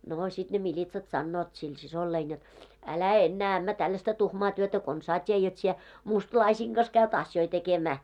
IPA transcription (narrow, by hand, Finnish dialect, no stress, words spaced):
noː sit ne milʲitsɑt sɑnːoːt sil sisolːein jot ælæ enːæː æmːæ tɑlːɑstɑ tuhmɑː tyøtæ konsɑː tʲie jot sie mustlɑisiːŋ ɡ̊ɑs kæyt ɑsjoi tekemæː